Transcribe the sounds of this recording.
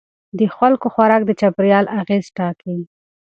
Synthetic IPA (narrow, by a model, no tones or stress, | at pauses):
d̪əxwalkoxwaɾɑk̚d̪ət͡ʃapɾjɑlʔaɣezʈɑki